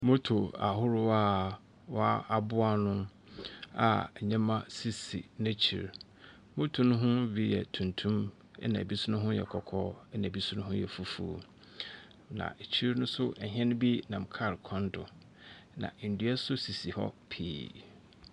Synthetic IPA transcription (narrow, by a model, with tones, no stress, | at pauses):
mʊ̃˦tʰo˨a˨ɦʊ˦ɾʊ˦a˦ | wɔ˦a˦a˨bʊ˦a˦nʊ̃˦ | a̰˨ɲɛ̃˦mã˦si˨sḭ˨nã˦t͡ɕʰḭ˨ɾ | mʊ̃˦tʰu˨nʊ̃˦ɦʊ̃˦bi˦jɛ̰˨tʰũ˨ntʰũ˦m | ɛ̰˦nã̰˨bi˦sʊ˦nʊ̃˦ɦʊ̃˦jɛ̰˨kʰɔ˨kʰɔ˦ɛ˦nã˨bi˦sʊ̃˦nʊ̃˦ɦʊ̃˦jɛ̰˨fu˦fṵ˨ | nã̰˨e˨t͡ɕʰi˦ɾnʊ̃˦sʊ˦ʔɦɛ̃˦nʊ̃˦bi˦nã˨m˨kʰa˦˨ɾkʰɔ̃˦ndʊ˨ | nã̰˨n̩˨du˦ɛ˦sʊ˦si˨si˨hɔ̰˦pʰḭː˨